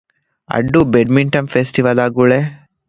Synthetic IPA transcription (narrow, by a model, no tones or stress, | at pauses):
ɐ̰ɖːubeɖmiɳʈɐmfeːsʈiʋɐlaːɡuɭe